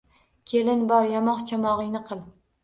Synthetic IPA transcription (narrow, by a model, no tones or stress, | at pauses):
kʲʰelɪnbɒɾjɒmɒqt͡ʃʰɑmɒʁɨjnɨqʰɨlˠ